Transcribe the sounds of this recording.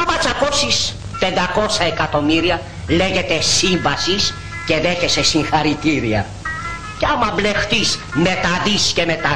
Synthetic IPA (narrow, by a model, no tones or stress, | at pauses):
ɐmɐt͡sɐko̞sis | pe̞nd̪ɐko̞sɐekɐt̪o̞miɾiɐ | le̞ʝe̞t̪e̞siɱvɐsis | ce̞ðe̞çe̞sesiŋxɐɾit̪iɾiɐ̰ | ceɐmɐblext̪isme̞t̪ɐðisce̞met̪ɐ